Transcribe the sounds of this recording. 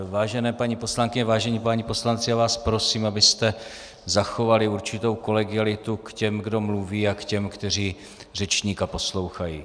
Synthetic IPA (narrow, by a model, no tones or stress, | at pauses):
vaːʒɛnɛːpaɲipo̞slaŋkɪɲɛvaːʒɛɲiːpaɲipo̞slant͡sɪjaːvaːspɾo̞siːmabɪst̪ɛ | zaxo̞valɪuɾt͡ʃɪt̪o̞wko̞lɛɡɪalɪt̪ukcɛmɡdo̞mluviːakcɛmkt̪ɛr̝iː | r̝ɛt͡ʃɲiːkapo̞slo̞wxajiː